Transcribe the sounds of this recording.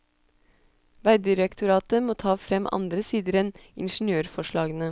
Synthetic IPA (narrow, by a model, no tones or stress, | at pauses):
ʋæɪd̪ɪɾəkt̪ʰʊɾɑːt̪əmoːt̪ʰɑːfɾɛmʔɑ̰nd̪ɾəsiːd̪əɾɛnɪ̰nʃn̩jøːɾfɔʂɭɑːɡənə